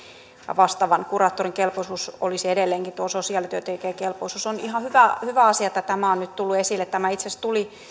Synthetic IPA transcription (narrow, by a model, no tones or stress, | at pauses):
jɑ̰ʋɑst̪ɑʋɑnkurɑːt̪ːoriŋkelpoisuːso̰lisiedelːeːŋkit̪uososiɑːˑlit̪yøt̪eikeːkelpoisuːsonihɑhyʋæhyʋæɑsiɑet̪ːæt̪æmæonnyt̪t̪ulːuesilːet̪t̪æmæit̪sest̪uli